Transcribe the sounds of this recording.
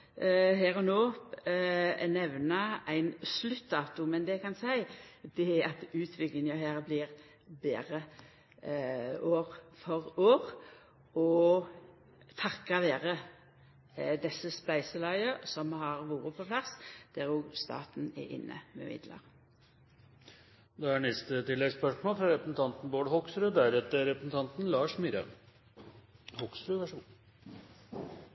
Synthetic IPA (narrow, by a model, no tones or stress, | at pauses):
ɦæːɾɔnoː | nɛʋnɑʔæɪnslʉt̪ːd̪ɑːt̪ʊmɛnd̪ɛkʰɑnsæɪd̪̥ɛæɑt̪ʉːt̪ʰʋɪklɪŋəɦæːɾbliːʁ | bḛːɾə | oːʁfɔʁoːʁ | ɔ | t̪ʰɑkːɑʋeːʁə | d̪ɛsːəspæɪsəlɑɪəsɔmhɑʁʋuːʁəpʰɔpʰlɑsd̪̥æʁoːɡst̪ɑ̰ːt̪n̩ɛ̰ʔɪ̰nːʔə̰mɛ̰mɪ̰d̪lə̰ʁ | d̪ɛæɳɛst̪ət̪ɪlːɛɡspœʂmoːlfɾɑɾɛpɾəsn̩t̪ʰɑnt̪n̩boːɖhɔksɾʉd̪æɾɛt̪ːəɾɛpɾəsn̩t̪ʰɑnt̪n̩lɑːʂmiɾɑ̰ | hɔksɾʉʋ̪æʂ